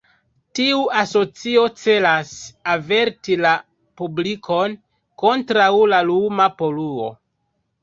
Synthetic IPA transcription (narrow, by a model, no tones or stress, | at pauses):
tiuaso̞t͡sio̞t͡se̞lasave̞ɾtila | publikʰo̞n | ko̞ntɾawlalumapo̞luo̞̰